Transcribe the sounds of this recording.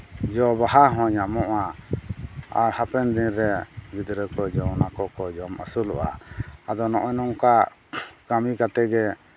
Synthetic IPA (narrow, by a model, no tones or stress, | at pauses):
d͡ʒɔbaɦaɦɔ̃ɲamɔʔa | aɾhapɛnd̪iɾɛɡid̪ɾəkɔd͡ʒɔwnakɔkɔd͡ʒɔma̰sulɔ̰ʔa̰ad̪ɔnɔ̰ʔɔnɔŋka | ɡ̥amikat̪ɛɡɛ